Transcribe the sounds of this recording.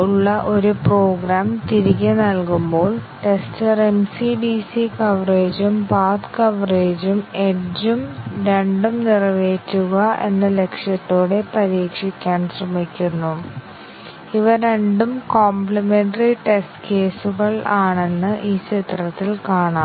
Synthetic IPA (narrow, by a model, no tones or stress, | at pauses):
uɭːɐʔo̞ɾuproːɡɾaːmt̪iɾiɣʲɐnɐlkumbo̞ːɭʈe̞stɐremsiɖisikɐʋreːd͡ʑumpaːd̪kɐʋreːd͡ʑume̞d͡ʑumɾeɳɖumnirɐʋeːtːuɣɐe̞̰nːɨle̞kʂjɐt̪ːoːɽe̞pɐɾiːkʂikʲːaːnsrɐmikʲːunːu | iʋɐɾeɳɖumkoːmplɐmenɖɐriʈestke̞ːsuɣɐɭaːɳe̞nːɨʔiːt͡ɕʰit̪rɐt̪ːilkaːɳa